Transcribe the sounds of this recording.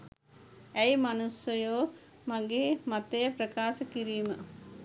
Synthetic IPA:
æjmanusjəjoː | maɡeːmat̪ejəprəkaːsəkiɾiːmə

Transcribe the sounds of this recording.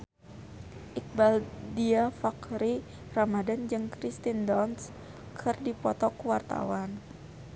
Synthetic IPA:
ʔik̚baldiafakɾi | ramadand͡ʒɨŋkɾist̪indɔns | kʰɨrdipɔt̪ɔkuwart̪a̰wan

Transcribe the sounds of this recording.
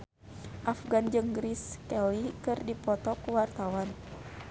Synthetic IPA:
ʔafɡand͡ʒɨŋɡɾiskɛlikɨrdipɔt̪ɔkuwart̪awan

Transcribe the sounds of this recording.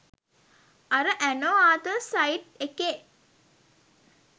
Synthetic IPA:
aɾəʔænoːaːt̪əsajʈeke

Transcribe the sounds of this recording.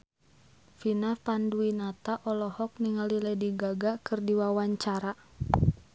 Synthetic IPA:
finapanduinat̪aʔɔlɔhɔk̚niŋalilɛdiɡaɡakɨrdiwawaɲt͡ʃaɾa

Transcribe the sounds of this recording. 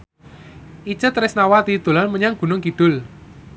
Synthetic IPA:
ʔi̥t͡ʃət̪ɾɪsnawat̪id̪̥o̤lanməɲaŋɡ̥ṳnʊŋkiɖ̪̥ʊl

